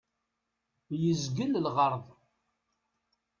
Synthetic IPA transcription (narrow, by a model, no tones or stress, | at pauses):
jəzɡəllʁəɾˤðˤ